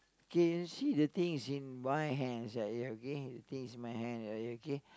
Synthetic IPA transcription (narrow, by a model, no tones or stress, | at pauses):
okeənsidət̪ɪ̃ŋsĩnmajɦɛ̃nsaʔjəokedət̪ɪ̃ŋsĩnmajɦɛ̃naʔjəoke